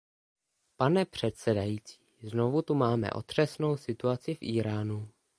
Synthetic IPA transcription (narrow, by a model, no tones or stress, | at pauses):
panɛpr̝̥ɛt̪sɛdajiːt͡si̥ːzno̞vut̪umaːmɛ̰ʔo̞̰t̪r̝̥ɛsno̞wsɪt̪uat͡sɪfʔiːɾaːnu